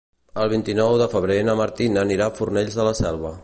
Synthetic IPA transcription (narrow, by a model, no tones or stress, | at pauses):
əlˠβ̞int̪inɔwðəfəβ̞ɾenəməɾt̪inəniɾafurnɛʎzðələsɛlˠβ̞ə